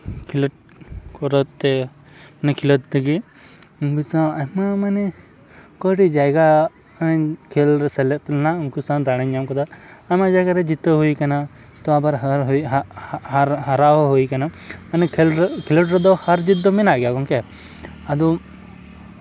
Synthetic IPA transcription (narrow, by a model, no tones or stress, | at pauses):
kʰilɔʈ̚ | kɔɾɔt̪ːɛ | manɛkʰilɔt̪̚t̪ɛɡi | bisaamamanɛ | kɔʈid͡ʒajɡa | kʰɛlɾɛsɛlɛʔt̪ɛlɛnauŋkusãd̪aɽ̃aɲamkɔd̪aamad͡ʒajɡaɾɛd͡ʒit̪əɦuikana | t̪ɔabaɾɦaɾɦ | aɾɦaɾawɔɦuikanamanɛlkʰilɔʈɾɛd̪ɔhaɾd͡ʒit̪̚d̪ɔmɛnaʔɡɛjakɔŋkɛ | ad̪ɔ